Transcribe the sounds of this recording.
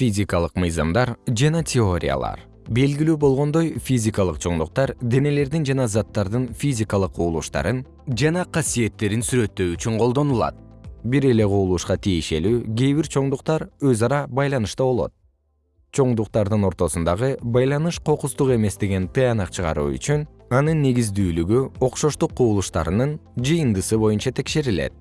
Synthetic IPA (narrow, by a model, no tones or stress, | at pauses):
fʲizʲikalˠɯqmɯjzɑmd̪ɑɾd͡ʒɑnɑtʲʰeo̞ɾʲḭja̰lˠɑ̰ɾ | be̞lɡilyːbo̞lˠʁo̞nd̪o̞jfʲizʲikalˠɯqt͡ʃʰo̞ɴd̪uq̚t̪ɑɾd̪e̞ne̞le̞ɾd̪ind͡ʒɑnɑzɑt̪ːɑɾd̪ɯnfʲizʲikalˠɯqʰːuːlˠṵʃt̪ɑ̰ɾɯn | d͡ʒɑnɑqʰɑsije̞t̪ːe̞ɾinsyɾø̞t̪ːø̞yt͡ʃyɴqo̞lˠd̪o̞nulˠɑ̰t̪̚biɾe̞le̞ʁʰuːlˠuːʃqɑt̪ʰijeʃe̞lyːɡʲe̞jβiɾt͡ʃʰo̞ɴd̪uqt̪ɑɾø̞zɑɾɑbɑjlˠɑnɯʃt̪ɑβo̞lˠo̞̰t̪̚ | t͡ʃʰo̞ɴd̪uqt̪ɑɾd̪ɯno̞ɾt̪o̞sund̪ɑʁɯbɑjlˠɑnɯʃqʰo̞qust̪uqe̞me̞sd̪e̞ɡe̞nt̪ʰɯjɑnɑqt͡ʃʰɯʁɑ̰ɾṵːy̰t͡ʃyn | ɑnɯnːe̞ɡizd̪yːlyɡyo̞qʃo̞ʃt̪uqːuːlˠuʃt̪ɑ̰ɾɯnɯnd͡ʒɯjɯnd̪ɯsɯβo̞junt͡ʃɑt̪ʰe̞kʃe̞ɾile̞̰t̪̚